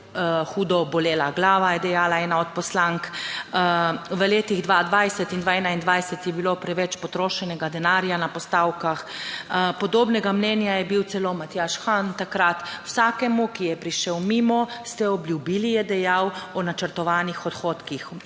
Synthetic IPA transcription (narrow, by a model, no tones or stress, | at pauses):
xuːd̪ɔbɔleːlaɡlaːʋajɛd̪ɛjaːlaɛːnaɔt̪̚pɔslaŋk | ʋəleːt̪iɣd̪ʋad̪ʋajsɛt̪ind̪ʋaɛnaind̪ʋajsɛt̪jɛbilopɾɛʋɛt͡ʃpɔt̪ɾoːʃɛnɛɡad̪ɛnaːɾjanapɔst̪aːwkax | pɔd̪oːbnɛɡamnɛːnjajɛbiwt̪sɛlomat̪jaʃxant̪akɾat̪wsaːkɛmukijɛpɾiʃɛwmiːmɔst̪ɛɔbljubiːlijɛd̪ɛjawɔnat͡ʃəɾt̪ɔʋaːnixɔt̪xoːt̪kix